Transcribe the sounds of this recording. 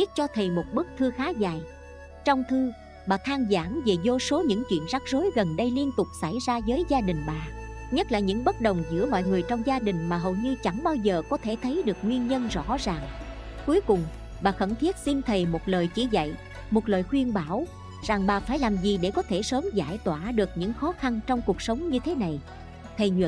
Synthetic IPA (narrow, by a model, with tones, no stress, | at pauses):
i˦˥ət̚t͡ɕɔ˧t̪ʰə˨˩jmo˨˩t̚ɓɨ˦˥k̚t̪ʰɨ˧xaː˨˦za̰ː˧˨j | t͡ɕɔ˧wŋ͡mt̪ʰɨ˧ | ɓaː˨˩t̪ʰaː˧ŋza̰ː˧˩ŋve˨˩zo˧so˨˦ɲɨ̰˧˥ŋt͡ɕwḭ˧˨ənza˦˥k̚zo˨˦jɣə˨˩nɗə˧jli˧ənt̪ʊ˨˩k͡p̚sa˧˩jzaː˧zəː˨˦jzaː˧ɗï˨˩ŋ̟ɓaː˨˩ | ɲə˦˥t̚laː˨˩ɲɨ̰˧˥ŋɓə˦˥t̚ɗə˨˩wŋ͡mzɨ̰˧˥əmɔ̰˧˨jŋɨ˨˩əjt͡ɕɔ˧wŋ͡mzaː˧ɗï˨˩ŋ̟maː˨˩ɦə˨˩wɲɨ˧t͡ɕa˧˩ŋɓaː˧wzəː˨˩kɔ˨˦t̪ʰe˧˩t̪ʰə˨˦jɗɨ˨˩ək̚ŋwi˧ənɲə˧nzɔ̰˧˥zaː˨˩ŋ | ku˨˦jkʊ˨˩ŋ͡m | ɓaː˨˩xə̰˧˩nt̪ʰi˦˥ət̚si˧mnt̪ʰə˨˩jmo˨˩t̚ləː˨˩jt͡ɕḭ˧˩˦zə̰˧˨j | mo˨˩t̚lə̰ː˧˨jxwi˧ənɓaː˧˩w | za˨˩ŋɓaː˨˩faː˧˩jlaː˨˩mzi˨˩ɗe˧˩kɔ˨˦t̪ʰe˧˩səː˨˦mzaː˧˩jt̪waː˧˩ɗɨ˨˩ək̚ɲɨ̰˧˥ŋxɔ˨˦xa˧nt͡ɕɔ˧wŋ͡mku˨˩ək̚sə˨˦wŋ͡mɲɨ˧t̪ʰe˨˦na˨˩j | t̪ʰə˨˩jɲwḭ˧˨